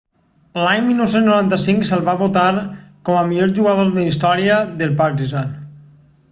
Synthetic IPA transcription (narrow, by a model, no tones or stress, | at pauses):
laɲmilˠnowsenznouɾant̪əsiŋksəlˠβaβot̪aɾkɔməmiʎoɾʒuɣað̞oɾðəist̪ɔɾiəðəlˠpaɾrizan